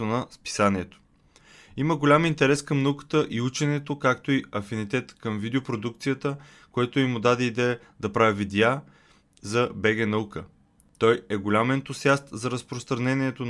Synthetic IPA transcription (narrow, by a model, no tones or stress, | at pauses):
onɐspi̥saniɛt̪o̥ | iməɡolʲamint̪ɛɾɛskɐmnɐukə̥t̪əʔiut͡ʃɛnɛt̪okakt̪oiɐfinit̪ɛt̪kəmvid̪ɛopɾod̪uk̚t̪sijət̪ə | koɛt̪oimːʊd̪ad̪ɛid̪ɛə | d̪ɐpɾavivid̪ʲja | zɐbɛɡɛnɐukə | t̪ɔjɛɡʊlʲamɛnt̪osʲjast̪zɐɾəspɾost̪ɾɐnɛnʲiɛt̪on